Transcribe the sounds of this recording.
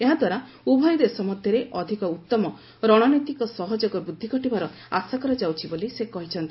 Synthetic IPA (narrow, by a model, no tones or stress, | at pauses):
eɦad̪waɾa | ubʱɔjd̪esɔmɔd̪ʱjɔɾeʔɔd̪ʱikɔut̪ːɔmɔ | ɾɔɽ̃ɔnɔjt̪ikɔsɔɦɔd͡ʒɔɡɔbud̪ʱːikɔʈibaɾɔ | asakɔɾɔd͡ʒawt͡ʃʰibolisekɔɦit͡ʃʰɔnt̪ii